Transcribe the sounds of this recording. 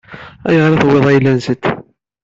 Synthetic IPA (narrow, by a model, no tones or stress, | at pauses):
æ̰jəʁɾɑθweðˤæjlːænzət̪ː